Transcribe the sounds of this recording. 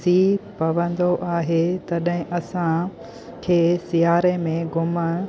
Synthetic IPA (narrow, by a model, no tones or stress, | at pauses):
iːpɐʋə̃nd̪oʔaːɦet̪ɐɗɦɪ̃ʔɐsã | kʰeːsijaːɾemẽɡʊmə